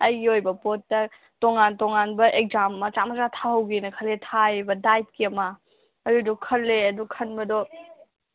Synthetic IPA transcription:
ɐjɡiojbɐpotːɐ | toŋantoŋanbɐʔek̚zammɐt͡ʃamɐzatʰahɐwɡinɐkʰɐletʰajbɐdajt̚kiɐmɐː | dudɔkʰɐlːeɐdukʰɐnbɐdɔ

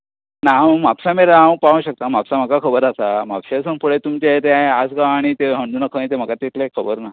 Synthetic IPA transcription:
namapsameɾaːə̃paʋə̃ɕək̚t̪am̤apsam̤əkakʰəbəɾasam̤apɕasəmpuɭet̪umt͡ɕaet̪eaeasɡaːɽ̃it̪eɦəɳd̪unakʰəit̪em̤əkat̪et̪lekʰəbəɾna

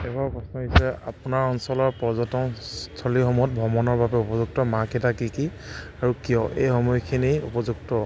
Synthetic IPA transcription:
ɛbaɹpɹɔsnɔdisɛa̰punaɹɔnsɔlɔɹpɔzɔtɔmtʰɔliɦɔmɔt̚bʱɔmɔnɔɹbabɛupɔzuk̚tɔmakɛtakiki | aɹukijɔʔḛjhɔmɔjkʰiniṵpɔzuk̚tɔ

